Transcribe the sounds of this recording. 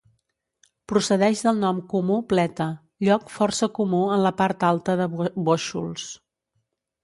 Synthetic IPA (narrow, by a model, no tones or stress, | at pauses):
pɾusəðɛʒðəlˠnɔmkumuplɛt̪ə | ʎɔkfɔrsəkumuənləpaɾt̪alˠt̪əðəboʃṵlˠs